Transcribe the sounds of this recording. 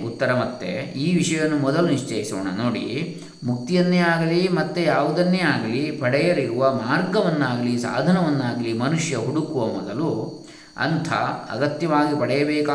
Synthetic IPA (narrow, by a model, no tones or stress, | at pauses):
ut̪ːɐɾɐmɐt̪ːḛiːʋiʂɐjɐnːumɔd̪ɐluniʂt͡ʃɐjisɔ̰ːɳɐ̰noːɽḭ | muk̚t̪ijɐnːeːaːɡɐlimɐt̪ːejaːʋud̪ɐnːeaːɡɐlipɐɽɛjɐliɾuʋɐmaːɾɡɐʋɐnːaːɡɐlisa̰ːd̪ʱɐnɐʋɐnːaːɡɐlimɐnuʂjɐɦuɽukuʋɐmɔd̪ɐlu | ɐ̰nt̪ʰɐ̰ɐ̰ɡɐt̪jɐʋaːɡipɐɽɛjɐbɛːkaː